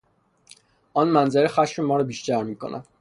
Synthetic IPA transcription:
ʔɒːnmænzeɾexæʃmemɒːɾɒbiːʃt̪æɾmiːkʰo̰nʔæ̰

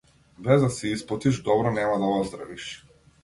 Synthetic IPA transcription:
bɛzd̪asiisplˠɔt̪iʒd̪ɔbɾɔnɛmad̪aɔzd̪ɾa̰viʃ

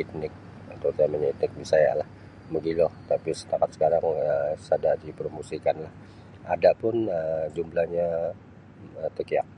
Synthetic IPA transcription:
it̪nɪk̚ | at̪ot̪aməɲait̪̚nɪk̚disaja̰lah | məɡilɔht̪apisə̥t̪akat̪sə̥kaɾaŋəsadadipəɾmusikanlah | adaʔpʊnəd͡ʒumlahɲa | ət̪əkia̰k̚

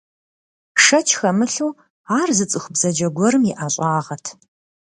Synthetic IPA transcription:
ʂɐt͡ʃʰxɐmɨɬuw | aːrzɨt͡sʼɨxʷʊbz̥ɐd͡ʒɐɡʷɔɾɨmiʔaːɕʼaːʁɐtʰ

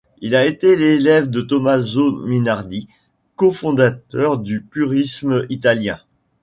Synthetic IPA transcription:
ilaet̪elelɛvd̪ət̪ɔmazominaʁd̪i | kofɔ̃d̪at̪œʁd̪ypyʁisməit̪aljɛ̃

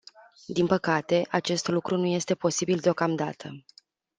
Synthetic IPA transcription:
d̪inpəkat̪e̞ʔat͡ʃe̞st̪lukɾunuje̞st̪e̞po̞sibild̪eo̞kamd̪a̰t̪ʰə

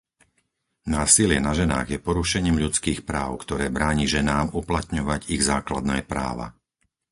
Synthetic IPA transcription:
naːsilɪɛnaʒɛna̰ːɣjɛpɔɾuʃɛɲiːmʎut͡skiːxpɾaːʊkt̪ɔɾɛːbɾaːɲiʒɛnaːmuplat̪ɲɔʋaɟiɣzaːklad̪nɛ̰ːpɾa̰ːʋa̰

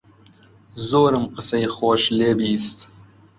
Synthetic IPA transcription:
zoːɾɨmqəsɐjχoːʃleːbiːst̪

